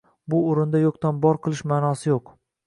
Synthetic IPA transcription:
bʊoɾɪnd̪ajɒqt̪anbɒɾqʰɨlˠɪʃmaːnɒsɪjoq

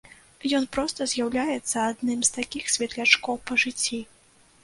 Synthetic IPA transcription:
jɔnpɾɔst̪ɐzʲjawlʲajɛt̪sːɐad̪nɨmst̪akʲixsʲvʲɛt̪lʲat͡ʂkɔwpɐʐɨt͡sʲːi

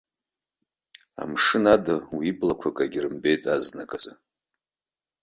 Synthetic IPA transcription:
a̰mʂɨnadɨwibʼlakʷʰakʼaɡʲirɨmbe̞jt͡sʼaznakʼaza

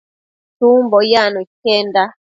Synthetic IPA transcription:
tumbɔjanukɛnda

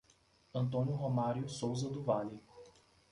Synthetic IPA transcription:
ɐ̃nt̪õnjʊɦomaɾjʊsowzɐd̪ʊvali

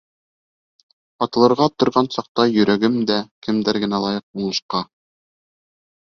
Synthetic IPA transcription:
ɑt̪ɤ̆lˠɤ̆ɾʁɑt̪ŏɾʁɑnsɑq̚t̪ɑjɵ̆ɾæɡɘmd̪ækɘ̆md̪æɾɡɘ̆nælˠɑjɤq̚uɴɤ̆ʃqɑ

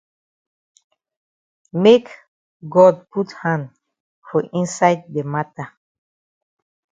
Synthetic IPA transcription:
mek | ɡɔd̚pʰuthãnd | fɔʔĩnsajd̪̚demata

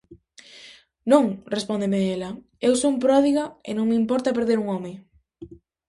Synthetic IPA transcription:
nõŋrespond̪emeelɐ | ewsoumpɾɔð̞iɣaɪ̰nõŋmeimpɔɾt̪ɐpeɾðeɾuŋɔmɪ

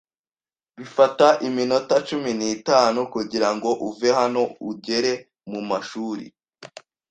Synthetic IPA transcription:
βifataʔimino̞tat͡ʃuminiːtaːnukuɟiɾaŋɡo̞ʔuve̞hano̞uɟe̞ɾe̞ | mumaʃuːɾḭ

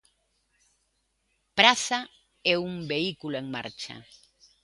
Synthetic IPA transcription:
pɾaθa | ɛuŋbeikuloeŋma̰ɾt͡ʃa̰

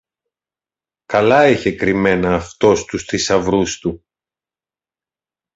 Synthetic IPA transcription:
kɐlɐiçe̞kɾime̞nɐːft̪o̞st̪ust̪isɐvɾust̪u

